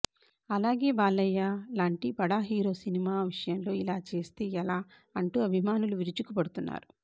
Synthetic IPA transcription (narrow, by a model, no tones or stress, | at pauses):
ɐlaːɡe̞ːbaːlɐjːaːlaːɳʈipɐɽaːɦiːɾo̞ːsinimaːʋiʂɐjɐmlo̞ːilaːt͡ʃe̞ːst̪e̞ːɛlaː | ɐɳʈuːɐbʱimaːnuluʋiɾut͡ʃukupɐɽut̪unːa̰ːɾu